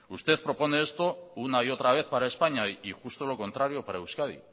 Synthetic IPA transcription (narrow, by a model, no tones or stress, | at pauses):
ust̪e̞θpɾo̞po̞ne̞est̪o̞unaio̞t̪ɾaβ̞e̞θpaɾaespaɲaiʝust̪o̞lo̞ko̞nt̪ɾaɾio̞paɾaewskaðḭ